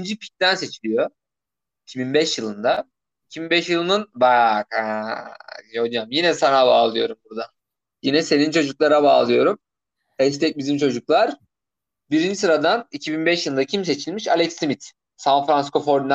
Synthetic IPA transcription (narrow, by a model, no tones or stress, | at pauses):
nd͡ʒipʰi̥c̚t̪ænse̞t͡ʃʰilʲijo̞ | icʰibinbɛʃjɯlˠɯnd̪a | icʰibinbɛʃjɯlˠɯnɯnbak | ɦod͡ʒamjinɛsanabaːlˠɯjo̞ɾumbuɾd̪a | jinɛse̞nint͡ʃʰo̞d͡ʒuklˠaɾabaːlˠɯjo̞ɾum | ɛʃt̪ʰɛc̚bizimt͡ʃʰo̞d͡ʒuklˠaɾ̥ | biɾind͡ʒisɯɾad̪anicʰibinbɛʃjɯlˠɯnd̪acʰims̬e̞t͡ʃʰilʲmiʃa̰lʲɛksimit̪ | sanfɾansko̞fo̞ɾd̪ina